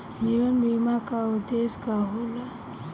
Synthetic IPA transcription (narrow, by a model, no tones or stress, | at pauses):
d͡ʒiʋənbimakaʊd̪eskaɦola